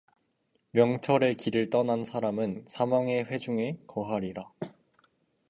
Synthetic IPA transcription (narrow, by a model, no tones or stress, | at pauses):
mjʌŋt͡ɕʰʌɾe̞kiɾɯɭt͈ʌnansʰaɾamɯnsʰamaŋe̞ɸwe̞d͡ʑuŋe̞kʌɦaɾiɾa